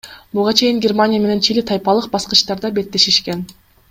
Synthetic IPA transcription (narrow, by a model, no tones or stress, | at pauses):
buʁɑt͡ʃʰe̞jiŋɡʲermanʲijame̞ne̞nt͡ʃʰilit̪ʰɑjpɑlˠɯq̚bɑsqɯ̥̆t͡ʃt̪ɑɾd̪ɑbe̞t̪ːe̞ʃiʃken